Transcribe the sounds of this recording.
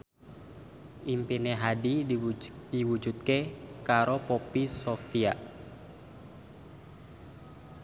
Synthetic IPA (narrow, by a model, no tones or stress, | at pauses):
ʔimpineɦadi | d̥iwud͡ʒut̪̚kekaɾopopisofia̰ʔ